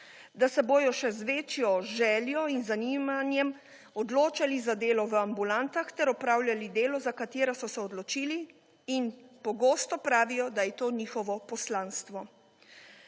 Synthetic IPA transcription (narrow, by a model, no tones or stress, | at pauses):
d̪asɛboːjɔʃɛzʋeːt͡ʃjɔʒɛːljɔinzaniːmanjɛm | ɔd̪loːt͡ʃalizad̪eːlɔʋəambulant̪axt̪ɛɾɔpɾaːwljalid̪eːlɔzakat̪eːɾasɔsɛɔd̪lɔt͡ʃiːliː | npɔɡoːst̪ɔpɾaːʋijɔd̪ajɛt̪oːniːxɔʋɔpɔslaːnst̪ʋɔ